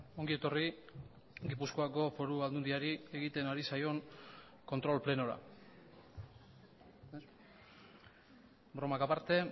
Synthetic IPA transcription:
o̞ŋɡie̞t̪o̞ri | ɡipusko̞ako̞fo̞ɾuald̪und̪iaɾie̞ɣit̪e̞naɾisajo̞ŋ | ko̞nt̪ɾo̞lple̞no̞ɾa̰ | bɾo̞makapaɾt̪e̞

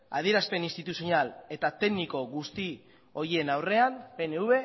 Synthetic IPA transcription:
a̰ð̞ie̞ɾaspe̞ninst̪it̪usionale̞t̪at̪e̞ɡniko̞ɣust̪i | o̞ɾienawre̞ampe̞neuβe̞

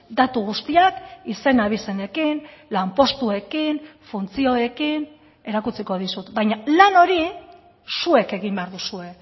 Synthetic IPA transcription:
d̪at̪uɣ̞ust̪iakise̞naβ̞ise̞ne̞kinlampo̞st̪ue̞kinfunt͡sio̞e̞kin | e̞ɾakut͡siko̞ð̞isut̪bajɲalano̞ɾi | sue̞ke̞ɣimbe̞aɾðusue̞

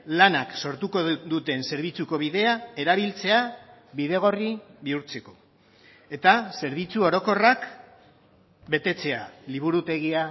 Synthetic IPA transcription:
lanakso̞ɾt̪uko̞d̪ut̪e̞nse̞ɾβ̞it͡suko̞β̞iðe̞ae̞ɾaβ̞ilt͡se̞aβiðe̞ɣ̞o̞riβiuɾt͡se̞ko̞ | e̞t̪ase̞ɾβit͡suo̞ɾo̞ko̞rak | be̞t̪e̞t͡se̞aliβ̞uɾut̪e̞ɣia

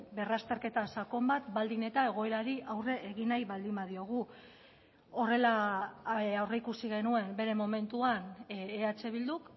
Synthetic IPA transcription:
be̞rast̪e̞ɾke̞t̪asako̞mbat̪bald̪ine̞t̪ae̞ɣ̞o̞eɾaɾiʔawre̞ːɣinajβald̪imbað̞io̞ɣ̞u | o̞re̞la | awreikusiɣ̞e̞nue̞mbe̞ɾe̞mo̞me̞nt̪uaneat͡se̞β̞ild̪uk

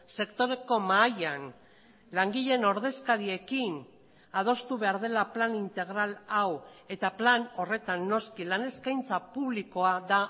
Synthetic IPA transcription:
se̞kt̪o̞ɾe̞ko̞majan | laŋɡiʎe̞no̞ɾð̞e̞skaɾie̞kin | að̞o̞st̪uβe̞aɾðe̞laplanint̪e̞ɣ̞ɾalawe̞t̪aplano̞re̞t̪anːo̞skilane̞skajnt͡sapuβliko̞aða

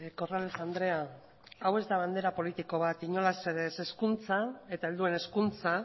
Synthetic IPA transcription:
ko̞ralesand̪ɾe̞a | awe̞zd̪aβ̞and̪e̞ɾapo̞lit̪iko̞β̞at̪iɲo̞laseɾese̞skunt͡sae̞t̪aeld̪ue̞ne̞skunt͡sa

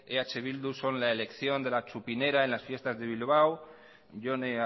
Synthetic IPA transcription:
eat͡ʃe̞β̞ild̪uso̞nlae̞le̞kθjo̞nd̪e̞lat͡ʃupine̞ɾae̞nlasfje̞st̪azðe̞β̞ilβ̞aw | ʎo̞ne

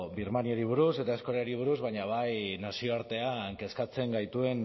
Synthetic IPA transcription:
biɾmanioɾiβ̞uɾuse̞t̪ae̞sko̞ɾeoɾiβ̞uɾuzβajɲaβajnasio̞aɾt̪e̞aŋke̞skat͡se̞ŋɡajt̪ue̞n

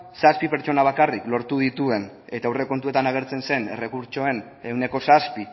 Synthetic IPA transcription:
saspipe̞ɾt͡ʃo̞naβ̞akariklo̞ɾt̪uðit̪ue̞n | e̞t̪aewre̞ko̞nt̪ue̞t̪anaɣ̞e̞ɾt͡se̞nse̞ne̞re̞kuɾt͡ʃo̞e̞n | e̞wne̞ko̞saspi

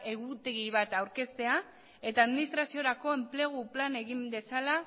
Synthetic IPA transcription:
e̞ɣut̪e̞ɣiβ̞at̪awɾke̞st̪e̞a | e̞t̪aːðminist̪ɾasio̞ɾako̞e̞mple̞ɣ̞uplane̞ɣinbe̞sala

